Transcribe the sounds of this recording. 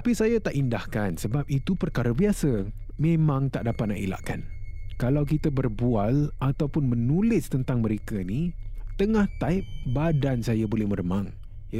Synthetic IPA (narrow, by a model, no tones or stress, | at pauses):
t̪apisajat̪aʔindahkansəbap̚it̪upərkaɾəbiasə | mẽmãŋt̪aʔdapat̪̚na̰ʔila̰ʔka̰nkalawkit̪əbərbualʔat̪awpʊnmənulɪst̪ənt̪aŋməɾekənit̪əŋaht̪aɪp̚badansajabolɛhmərəmaŋ | j